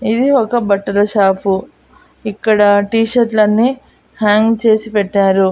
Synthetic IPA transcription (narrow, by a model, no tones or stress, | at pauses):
id̪iɔkɐbɐʈːɐlɐʃaːpu | ikːɐɽɐʈiːʃɐɾʈlɐnːi | haːŋɡt͡ʃe̞ːsipɛʈːaːɾu